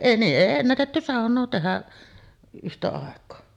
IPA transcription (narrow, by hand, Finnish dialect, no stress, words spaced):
niːʔ ʔeˑi enːætetːy sɑˑonˑoː tehæʔ ʔyhtæ ɑˑekˑoː